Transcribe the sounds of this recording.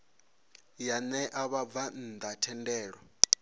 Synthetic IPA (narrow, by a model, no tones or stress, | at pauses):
janɛʔaβab̪van̩d̪atʰɛndɛːɺɔ